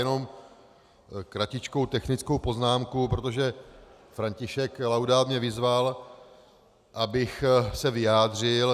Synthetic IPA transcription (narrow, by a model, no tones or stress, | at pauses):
jɛno̞m | kɾacɪt͡ʃkowt̪ɛxnɪt͡skowpo̞znaːmkupɾo̞t̪o̞ʒɛ | fɾaɲcɪʃɛklawdaːt̪mɲɛvɪzval | ʔabɪxsɛvɪjaːd̪r̝ɪl